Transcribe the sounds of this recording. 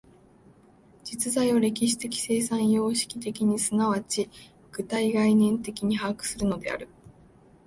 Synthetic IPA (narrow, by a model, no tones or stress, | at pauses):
d͡ʑit͡sɨzaioɾe̞kʲiɕ̬i̥t̪e̞kʲi̥se̞ːsãɰ̃jo̞ːɕi̥kʲi̥t̪e̞kʲiɲ̟isɨnaβat͡ɕi | ɡ̥ɯ̟t̪aiɡainẽ̞nt̪e̞kʲiɲ̟ihaːkɯ̥sɨɾɯ̟no̞d̪e̞̰a̰ɾɯ̟